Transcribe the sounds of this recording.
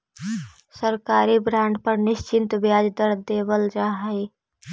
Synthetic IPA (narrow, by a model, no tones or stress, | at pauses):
səɾkaːɾibɾãːɳɖpəɾnɪʃt͡ʃɪnt̪bjaːd͡ʒd̪əɾd̪eːwəld͡ʒaːɦəi